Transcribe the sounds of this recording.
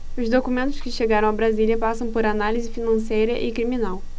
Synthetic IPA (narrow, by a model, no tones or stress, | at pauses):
ʊzd̪okumẽnt̪ʊ̥ʃkɪʃeɡaɾɐ̃w̃ɐbɾazilʲjɐpasɐ̃w̃poɾanalizɪfinɐ̃sejɾɐʔɪkɾimĩnaw